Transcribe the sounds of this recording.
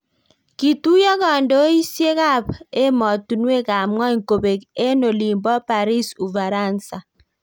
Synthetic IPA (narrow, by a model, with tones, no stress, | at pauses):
ki˨tu˦jɔ˦kɔ˨ndo˦i˦sje˦ka˦pe˦mɔ˨tu˨nwe˦˨ka˨mŋɔ˦i˨ŋko˨be˨ke˦no˨li˨mbɔ˦pa˨ɾi˦su˨va˨ɾa˦˨nsa˨